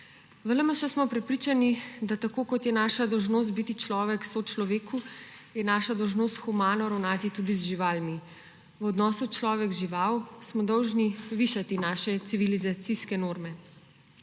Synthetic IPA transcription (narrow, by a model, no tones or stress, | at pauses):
vələmaʃɛsmɔpɾɛpɾiːt͡ʃanid̪at̪akoːkɔt̪jɛnaːʃad̪ɔwʒnoːs̬t̪̚bit̪it͡ʃlɔːʋɛksot͡ʃlɔʋeːkʰujɛnaːʃad̪ɔwʒnoːst̪xumaːnɔɾawnaːt̪it̪ud̪izʒiʋaːlmi | wɔd̪nɔːsut͡ʃlɔːʋɛɡʒiʋawsmɔd̪ɔwʒniʋiʃat̪inaʃɛt̪siʋilizat̪siskɛnoːɾmɛ